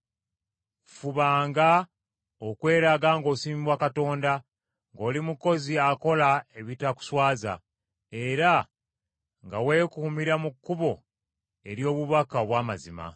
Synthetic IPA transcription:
fuβaːŋɡa | okwe̞ːɾaɡaːŋɡo̞ːsiːmibwakato̞ːnda | ŋɡo̞ːlimuko̞ziako̞lae̞βitaku̥swaːza̰ | e̞ɾa | ŋɡawe̞ːkumiɾamukːuβo̞ | e̞ɾjo̞ːβuβakaoβwaːmazima̰

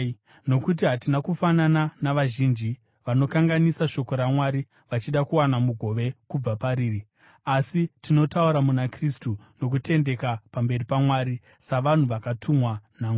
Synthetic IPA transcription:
no̞kut̬iɦatinakufanananaʋaʒiːnd͡ʒi | ʋano̞kaŋɡanisaʃo̞ko̞ɾamwaɾi | ʋat͡ʃiɗakuwanamuɡʱo̞ʋe̞kub͡vapaɾiːri | asitino̞tauɾamunakristu | no̞k̬ute̞nde̞kapambe̞ripamwaːɾi | saʋan̤uʋakatʰumwanaŋ

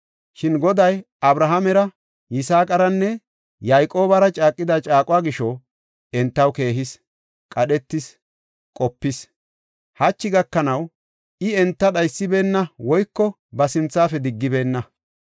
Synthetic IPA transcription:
ʃɪnɡɔd̪ɐjʔɐbɾɐɦɐmɛɾɐ | jɪsaːkʼɐɾɐnːɛ | jɐjkʼo̞ːbɐɾɐt͡ʃʼaːkʼːɪd̪ɐt͡ʃʼaːkʼʊwaːɡɪʃɔ | ɛnt̪ːɐwke̞ːɦɪs | kʼɐɗɛt̪ːɪs | kʼɔpːɪs | hɐt͡ʃːɪɡɐkːɐnɐw | ʔɪɛnt̪ːɐɗɐjsːɪbe̞ːnːɐwɔjkːɔ | bɐsɪnt͡sːaːfɛd̪ɪɡːɪbe̞ːnːɐ

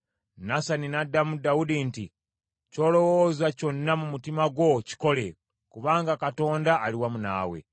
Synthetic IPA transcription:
nasaninadamudaudinti | co̞ːlo̞woːzwaco̞nːamumutimaɡwo̞ci̥ko̞le̞ | kuβaːŋɡakato̞ːndaːliwamuna̰ːwḛ

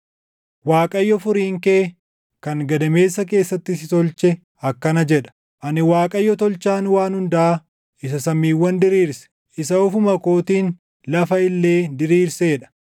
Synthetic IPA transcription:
waːkʼɐjːɔfʊɾiːŋkeː | kɐŋɡɐd̪ɐme̞ːsːɐk̬e̞ːsːɐt̪ːɪsɪt̪ɔlt͡ʃɛ | ɐkːɐnɐd͡ʒɛᶑɐ̥ | ʔɐnɪwaːkʼɐjːɔt̪ɔlt͡ʃaːnwaːnhʊnd̪ɐʔa | ɪsɐsɐmːiːwːɐnd̪ɪɾiːɾsɛ̥ | ʔɪsɐʊfʊmɐkoːt̪iːn | lɐfɐɪlːe̞ːd̪ɪɾiːɾseːᶑɐ̥

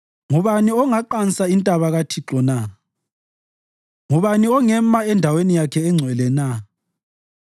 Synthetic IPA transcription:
ŋuβaniɔŋaǃansʼaintʼaβaɣatʰiǁɔna | ŋuβaniɔŋɛmaɛndʱawenijakʰɛːŋ͡ǀʱwɛlɛna

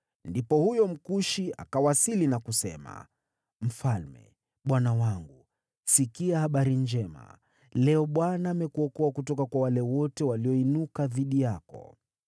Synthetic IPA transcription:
ndipɔhujɔm̩kuʃia̰kawasilinakusɛ̰ma̰ | m̩falmɛ̰ | ɓwanawaŋɡu | sikiahaɓaɾiɲd͡ʒɛma̰ | lɛɔɓwanaːmɛkuɔkɔakutɔkakwawalɛwɔtɛwaliɔinukaðiɗijakɔ̰

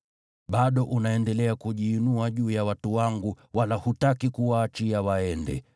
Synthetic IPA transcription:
ɓaɗɔʔunaɛndɛlɛakuʄiːnuaʄuːjawatuwaŋɡu | walahutakikuwaːt͡ʃiawaɛndɛ̰

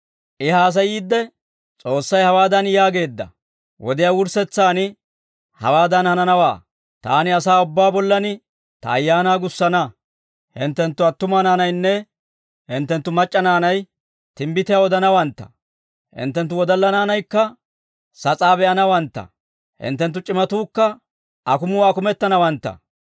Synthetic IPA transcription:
ʔɪhaːs̬ɐjiːd̪ːɛ | t͡sʼo̞ːsːɐjhɐwaːd̪ɐnjaːɡe̞ːd̪ːɐ̰ | wɔ̰d̪ɪjaːwʊɾsɛt͡sːaːnɪ | hɐ̰waːd̪ɐnhɐnɐnɐwaː | t̪a̰ːnɪɐsaːʊbːaːbɔlːɐnɪ | t̪ɐ̰ːjːaːnaːɡʊsːɐnɐ | hɪ̰nt̪ːɛnt̪ːʊɐt̪ːʊmɐnaːnɐjnːɛ | hɪnt̪ːɛnt̪ːʊmɐt͡ʃʼːɐnaːnɐj | t̪ɪmbɪt̪ɪjawɔd̪ɐnɐwɐnt̪ːɐ̥̰ | hɪ̰nt̪ːɛnt̪̬ːʊwɔd̪ɐlːɐnaːnɐjkːɐ | sɐt͡sʼaːbɛʔɐnɐwɐnt̪ːɐ̰ | hɪ̰nt̪ːɛnt̪ːʊt͡ʃʼɪmɐt̪uːkːɐ | ɐkʊmʊwaːkʊmɛt̪ːɐnɐwɐnt̪ːɐ̰

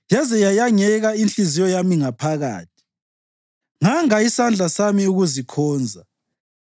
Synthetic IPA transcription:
jazɛjajaŋɛɣainɬizijɔjamiŋapʰaɣa̰ːtʰi̥ | ŋaŋaisand͡ɮʱasamiuɣuzikʰɔːnd͡zʱa

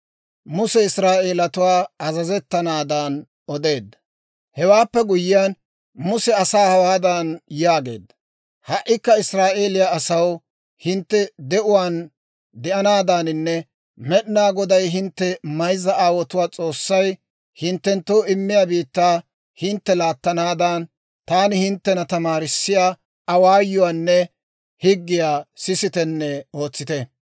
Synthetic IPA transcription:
mʊsɛɪsɾaːʔeːlɐt̪ʊwaːɐzɐzɛt̪ːɐnaːd̪ɐn | ɔd̪e̞ːd̪ːɐ | hɛwaːpːɛɡʊjːɪjan | mʊsɛɐsaːhɐwaːd̪ɐnjaːɡe̞̰ːd̪ːɐ | hɐʔːɪkːɐɪsɾaːʔe̞ːlɪjaːsɐw | hɪnt̪ːɛd̪ɛʔʊwaːn | d̪ɛʔɐnaːd̪aːnɪnːɛ | mɛɗɪnaːɡɔd̪ɐjɦɪnt̪ːɛmɐjzɐʔaːwɔt̪ʊwaːt͡sʼo̞ːsːɐj | hɪnt̪ːɛnt̪ːowɪmːɪjaːbiːt̪ːaː | hɪnt̪ːɛlaːt̪ːɐnaːd̪an | t̪aːnɪhɪnt̪ːɛnɐt̪ɐmaːɾɪsːɪjaː | ɐwaːjːɔwaːnːɛ | hɪɡːɪjaːsɪsɪt̪ɛnːɛo̞ːt͡sːɪt̪ɛ

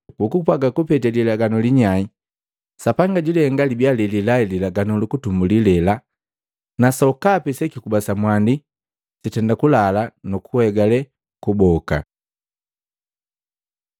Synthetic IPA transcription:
ukupwaɡakupɛtɛlilaɡanɔliɲai | sapaŋɡaɟuliɛŋɡalibjalililaililaɡanɔlukutumbulilɛla | nasɔkapɛsɛkikubasamwandi | sitɛndakulalanukuhɛɡalɛ | kubɔka̰

